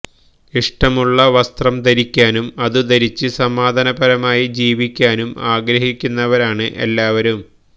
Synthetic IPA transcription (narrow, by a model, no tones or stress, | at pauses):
iʂʈɐmuɭːɐʋɐst̪rɐmd̪ɐɾikʲːaːnumɐðud̪ɐɾit͡ɕːɨsɐmaːd̪ʱɐnɐbɐɾɐmaːjid͡ʑiːʋikʲːaːnumaːɡɾɐɦikʲːunːɐʋɐɾaːɳɨʔḛlːaːʋɐɾum